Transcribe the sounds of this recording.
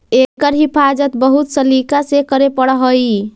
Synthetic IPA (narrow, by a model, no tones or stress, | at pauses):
ekəɾɦipʰad͡ʒət̪bəɦut̪səlikasekəɾepəɽɦəj